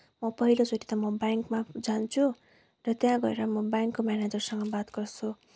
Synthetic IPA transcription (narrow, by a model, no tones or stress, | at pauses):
mʌpʌɦilot͡soʈit̪ʌmʌbaŋkmad͡zant͡sʰu | rʌt̪jãɡʌɾeɾʌmʌbaŋkːomjaned͡zʌrsʌŋɡʌbat̪ɡʌrt͡sʰu